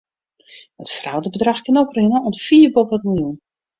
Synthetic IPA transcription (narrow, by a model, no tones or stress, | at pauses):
ətfra̰wdəbədraxkənoprɪnənonfiːbopət̚mɪlˠjun